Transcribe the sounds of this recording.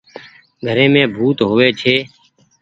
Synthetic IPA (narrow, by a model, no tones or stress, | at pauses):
ɡʱəɾẽːmẽːbʱuːt̪ɦoːʋeːt͡ʃʰeː